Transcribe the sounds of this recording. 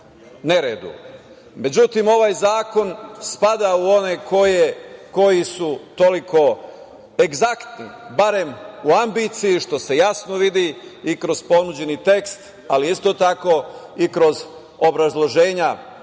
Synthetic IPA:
ne̞ɾeːd̪ṵ | me̞d͡ʑut̪imo̞ʋaːjzaːko̞nspad̪auo̞ne̞kʰojeko̞jisut̪o̞likʰo̞ | e̞ɡzakt̪nḭbaɾe̞muambit̪sijiʃt̪o̞se̞jasno̞ʋid̪iikɾo̞z̥po̞nud͡ʑe̞nit̪e̞kst̪ | aliist̪o̞t̪ako̞ikɾo̞z | obɾazlˠo̞ʒe̞ːɲa

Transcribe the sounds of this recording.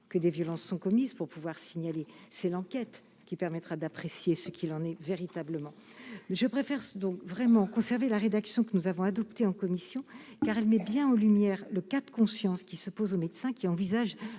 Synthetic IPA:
kəd̪evjɔlɑ̃sːɔ̃kɔmizpuʁpuvwaʁsiɲalesɛlɑ̃kʲɛt̪ | kʲipɛʁmɛt̪χad̪apχesjesəkʲʰilɑ̃nɛveʁit̪abləmɑ̃ | mʒəpχefɛʁd̪ɔ̃kvʁɛmɑ̃kɔ̃sɛʁvelaʁed̪aksjɔ̃kənuzavɔ̃ad̪ɔpt̪eɑ̃kɔmisjɔ̃kaʁɛlmɛbjɛ̃ɑ̃lymjɛʁləkad̪kɔ̃sjɑ̃skʲisəpozomed̪sɛ̃kʲiɑ̃vizaʒ

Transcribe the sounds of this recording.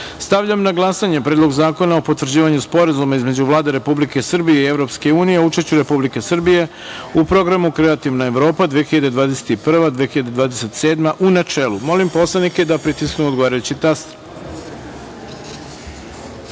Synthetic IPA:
st̪aʋʎamnaɡlˠasaɲe̞pɾed̪lo̞ɡzaːko̞naopot̪ʋr̩d͡ʑiːʋaɲuspo̞ɾazumaizme̞d͡ʑuʋlaːd̪e̞ɾe̞publike̞srbije̞ievɾo̞pske̞uːnijeout͡ʃeʃt͡ɕuɾe̞publike̞sr̩bije̞ | upɾo̞ɡɾamukɾe̞at̪iʋnae̞ʋɾo̞ːpad̪ʋijexiʎad̪ed̪ʋaːd̪ese̥t̪ipr̩ʋad̪ʋiexiʎad̪eʋaːd̪ese̞t̪se̞ːd̪maʔunat͡ʃeːlumo̞limpo̞slenike̞d̪apɾit̪isknuod̪ɡoaːɾajut͡ɕit̪ast̪ɾ

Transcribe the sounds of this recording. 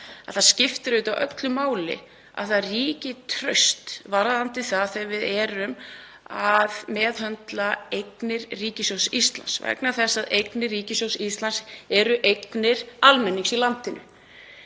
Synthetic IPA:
aðθaðscɪft̪ɪɾʏt̪awʔœklʏmaːwlɪ̰ | a̰ðθaðriːcɪt̪ʰɾœɥst̪vaɾðant̪ɪθaðθɛvɪðɛːɾʏm | aðmɛːðhœnt̪laejknɪɾriːcɪsowsist̪la̰nsvɛ̰knaθɛsːaðejknɪriːcɪsowsist̪lansɛɾʏʔejknɪɾ̥almɛnːiŋksilant̪ɪnʏ̰

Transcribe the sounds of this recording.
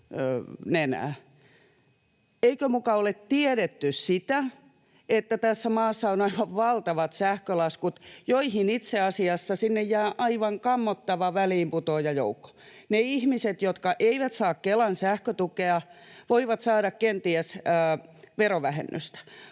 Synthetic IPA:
ønenæ̰ː | eikømukɑolet̪t̪ieɾet̪ːyssit̪æ | et̪ːæt̪æsːæmɑːsːɑonɑiʋɑʋʋɑlt̪ɑʋɑt̪sæhkølɑskut̪joihinit̪seɑsiɑsːɑsinːejjæːʔɑiʋɑŋkɑmːot̪ːɑʋɑʋæliːmput̪oːjɑjo̰ukːo̥neihmiset̪jot̪kɑʔeiʋæt̪sɑːkkelɑnsæhkøt̪ukeɑʋoiʋɑt̪sɑːɾɑkkent̪iæs | ʋeroʋæhḛnːø̰st̪æ̥

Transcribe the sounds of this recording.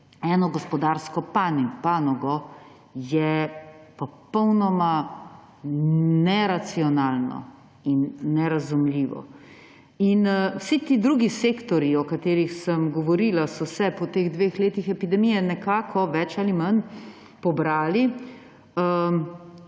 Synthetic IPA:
ɛːnɔɡɔspɔd̪aɾskɔpanipanɔɡɔ | jɛpɔpɔwnɔma | ɛɾat̪siɔnaːlnɔ̰ | inːɛɾazumliːʋɔ̰ | inwsit̪iːd̪ɾuɡiseːkt̪ɔɾjiɔkat̪eːɾixsəmɡɔʋɔɾilasɔsɛpɔt̪eːɣd̪ʋexleːt̪ixɛpid̪ɛmijɛnɛkaːkʰɔʋɛt͡ʃaliman | pɔbɾaːli | ə

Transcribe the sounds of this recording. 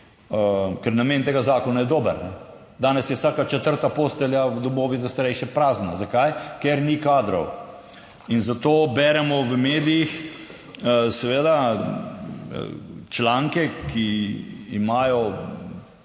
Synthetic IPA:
əkɛɾnameːnt̪eːɡazaːkɔnajɛd̪oːbəɾnɛ | d̪aːnɛsjɛwsaːkat͡ʃɛt̪əɾt̪apoːst̪ɛljawd̪ɔmoːʋizast̪aɾɛjʃjɛpɾaːznazakajkeɾnikaːd̪ɾɔw | inzat̪oːbɛɾɛmɔʋəmeːd̪ijix | sɛʋeːd̪a | t͡ʃlaːŋkɛkʰiː | maːjɔ

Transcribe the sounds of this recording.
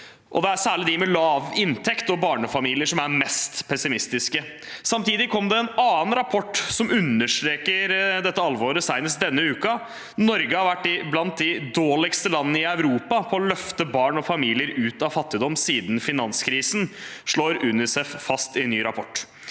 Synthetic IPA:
ʔɔ̰d̪ɛæsæːɭɪd̪ɪmɛlɑːʋɪnt̪ʰɛkt̪ɔbɑːɳəfɑmiːlɪəʂɔmæɾmɛst̪pʰɛsɪmɪst̪ɪskə | sɑmt̪ʰiːd̪ɪkʰɔmːd̪ɛːnɑːənɾɑpʰɔʈːsɔmʉnːəʂʈ̪ɾeːkəɾd̪ɛt̪ːəɑlʋoːɾəsɑɪnəsd̪ɛnːəʉːkɑ | nɔɾɡəhɑɾʋæʈːɪblɑnt̪̚d̪ɪd̪oːlɪkst̪əlɑnːənəɪœʉɾuːpɑpʰɔːlœft̪əbɑːɳɔfɑmiːlɪəɾʉːt̪ɑfɑt̪ːɪd̪ɔmːsiːd̪n̩fɪnɑnskʰɾiːsn̩ʂɭoːɾʉnɪsɛffɑst̪ɪnːyːɾɑpʰɔʈː

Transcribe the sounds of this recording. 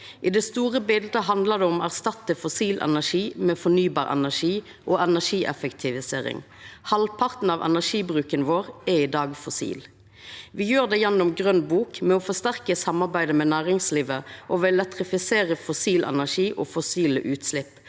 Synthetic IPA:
ʔɪd̪ɛst̪uːʁəbɪld̪əɦɑnd̪ləd̪ɛɔmæʁst̪ɑt̪ːəfɔsiːlʔɛ̰næʂiːmɛfɔnyːbɑːʁɛ̰næʂiː | ʔoːɛnæʂiːʔɛ̰fəkt̪ʰɪʋɪseːʁɪ̰ŋ | hɑlpʰɑʁt̪n̩ɑʋɛ̰næʂiːbʁʉːkənʋoːʁɛɪd̪ɑːɡfɔsḭːl | ʋɪjøːʁd̪ɛjɛnːɔmɡʁœnbuːkmɛɔfɔst̪æʁkəsɑmːɑʁbæɪd̪əmɛnæːʁɪŋsliːʋəʔɔʋɛlɛt̪ʁɪfɪseːʁəfɔsiːlɛ̰næʂiːʔoːfɔsiːlə̰ʔʉːt̪slɪpː

